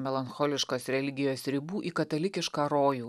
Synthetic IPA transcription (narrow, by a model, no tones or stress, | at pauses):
mʲɛlˠɐnxɔːlʲɪʃkoːsɾʲɛlʲɪɡʲɪjoːsɾʲɪbuːʔikɐt̪ɐlʲɪkʲɪʃkɑːɾoːjuː